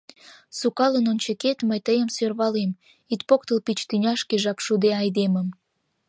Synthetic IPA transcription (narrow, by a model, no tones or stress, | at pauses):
sukɑlənonʲt͡ɕeket̪məjt̪əjəmsørβɑlem | it̪̚pok̚t̪əlpit͡ɕt̪ynʲɑʃkeʒɑpʃud̪eɑjd̪eməm